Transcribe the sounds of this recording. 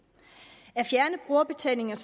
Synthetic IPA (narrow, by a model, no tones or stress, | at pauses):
æɐfjæɐnəb̥ʁuɐb̥e̝t͡sʰɛ̰ne̝ŋɐs